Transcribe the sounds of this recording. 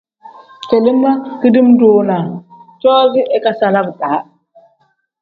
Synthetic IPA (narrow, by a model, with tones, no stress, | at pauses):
ke˨li˦mːa˦ki˦di˦mdoː˨na˨t͡ʃɔː˦zi˦ʔe˦ka˦sa˨la˦bɗaː˨˦